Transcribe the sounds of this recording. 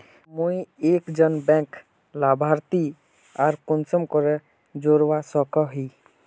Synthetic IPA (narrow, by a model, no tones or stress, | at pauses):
muĩeːkd͡ʒənbɛ̃ːk | laːbʱaːɾt̪i | aːɾkʊnsəmkɔɾɛ | d͡ʒoːɾʋasɔkɔɦiː